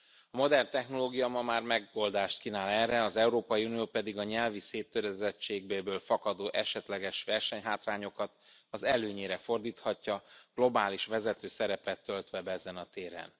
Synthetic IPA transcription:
ɒmo̞d̪ɛrnt̪ɛxno̞loːɡijɒmɒmaːrmɛɡo̞ld̪aːʃt̪kinaːlɛrɛɒzɛuɾoːpɒjiunijoːpɛd̪iɡɒɲɛlviseːt̪ːøɾɛzɛt͡ʃːeːɡ̚beːbøːlfɒkɒd̪oːʔɛ̰ʃɛt̪lɛɡɛʃʋɛrʃɛɲɦaːt̪raːɲo̞kɒt̪ | ɒzɛløːɲeːɾɛfo̞rd̪iːt̪hɒcːɒɡ̥lo̞baːliʃʋɛzɛt̪øːsɛɾɛpɛt̪ːølt̪ʋɛbɛɛzɛnɒt̪eːɾɛ̰n

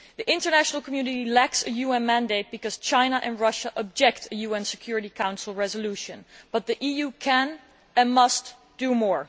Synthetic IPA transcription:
ðiʔɪ̃ntə˞næʃnəl̩ˠkmjʉnɨɾilæksɨjuɛ̃nmæ̃ndeɪt̚b̥ɨkʌz̥t͡ʃãɪ̃nəʔɨ̃nɹʌʃəʔəb̚d͡ʒɛk̚tʰɨjuɛ̃nsɨkʰj̥ʊɹɨɾikʰãʊ̃nsl̩ˠɹɛzəluʃɨ̃nb̥ʌt̪̚ðiʔijukʰæ̃n | ɨ̃nmʌst | d̥umɔɹ

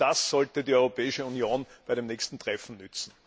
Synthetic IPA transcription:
d̥asːɔltədiːɔʏʁopɛːɪʃəunjoːnbæɪɾemnɛːçstn̩tʁ̥ɛfn̩nʏt͡sn̩

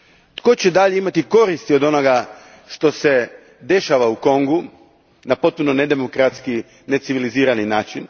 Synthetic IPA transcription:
t̪ko̞t͡ɕed̪aʎeimat̪iko̞ɾist̪io̞d̪o̞no̞ɡa | ʃt̪o̞se̞ | d̪e̞ʃaʋauko̞ŋɡu | napot̪̚punone̞d̪e̞mo̞kɾat̪ski | ne̞t̪siʋiliziːɾaninaːt͡ʃin

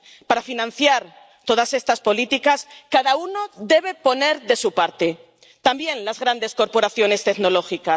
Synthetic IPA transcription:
paɾafinãn̟θjaɾ | t̪o̞ð̞ase̞st̪aspo̞lit̪ikaskaðaunoðe̞β̞e̞po̞ne̞ɾðe̞supaɾt̪e̞ | t̪ambje̞nlazɣɾand̪e̞sko̞ɾpo̞ɾaθjo̞ne̞st̪ekno̞lo̞xikas

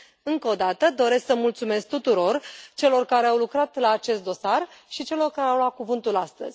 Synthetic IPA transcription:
ɨŋkəod̪at̪əd̪o̞ɾe̞sksəmult̪sume̞sk̚t̪ut̪uɾo̞rt͡ʃe̞lo̞rkaɾe̞awlukɾat̪laːt͡ʃe̞st̪̚d̪o̞sarʃit͡ʃe̞lo̞rkaɾeawlwat̪̚kuvɨnt̪ulast̪ə̰z̥ʲ

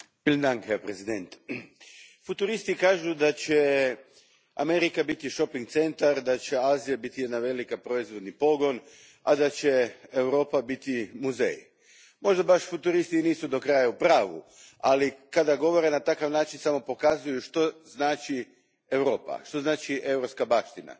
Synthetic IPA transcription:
ʋilnd̪ankepɾezid̪ent̪ | fut̪uɾist̪ikaːʒud̪at͡ɕe | ame̞ɾikabit̪iʃo̞piŋɡt̪se̞nt̪aɾd̪at͡ɕe̞aːzijabit̪ijed̪naʋe̞likapɾoizʋo̞d̪nipo̞ɡon | ad̪at͡ɕe̞ewɾo̞ːpabit̪imuzḛj | mo̞ʒd̪abaʃfut̪uɾist̪iniːsud̪o̞kɾajaupɾaːʋṵalikad̪aɡo̞ʋo̞ɾe̞nat̪akaʋnaːt͡ʃinsamo̞po̞kazujuʃt̪o̞znaːt͡ʃi | e̞wɾo̞ːpa̰ʃt̪o̞znaːt͡ʃiʔe̞wɾopskabaʃt̪ina̰

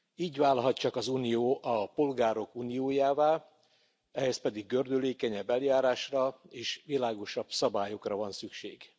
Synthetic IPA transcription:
iːɟvaːlɦɒtt͡ʃɒkɒzuːnijoːʔɒpo̞lɡaːɾo̞kuːnijoːjaːvaːl | ɛhɛspɛd̪iɡːø̞rd̪øleːkɛɲɛbːɛljaːɾaːʃrɒeːʃʋilaːɡo̞ʃɒb̥sɒbaːjo̞krɒvɒnsykʃḛːɡ

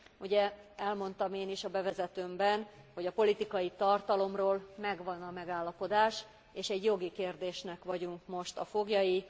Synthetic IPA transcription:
uɟɛɛlmo̞nt̪ɒmeːniʃɒbɛvɛzɛt̪øːmbɛnho̞ɟɒpo̞lit̪ikɒjit̪ɒrt̪ɒlo̞mroːlmɛɡʋɒnɒmɛɡaːlːɒpo̞d̪aːʃ | eːʃɛɟjo̞ɡikeːrd̪eːʃnɛkʋɒɟuŋkmo̞ʃt̪ɒfo̞ɡjɒji

